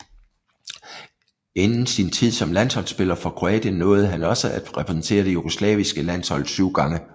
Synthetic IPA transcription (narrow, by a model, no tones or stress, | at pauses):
e̝nn̩sint͡sʰið̰ˠsɒ̽mlæn̰shɒ̽l̰sb̥e̝lɐfɒ̽kʰʁo̝ɛ̰ːd̥jənːɔ̽ːð̞̩ˠɦænɒ̽səʔæd̥ʁɛpʰʁɛsn̩t͡sʰe̝̰ːɐd̥e̝juɡ̥o̝slɛ̰ːʋisɡ̥əlæn̰shɒ̽l̰syːʊ̰ɡ̥ɑ̈ŋə